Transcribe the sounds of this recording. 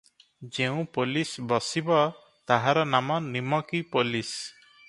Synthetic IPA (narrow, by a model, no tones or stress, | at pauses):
d͡ʒeũpolisbɔsibɔ | t̪aɦaɾɔnamɔnimɔkipolis